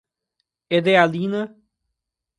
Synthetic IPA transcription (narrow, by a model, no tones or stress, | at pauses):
ed̪ealinɐ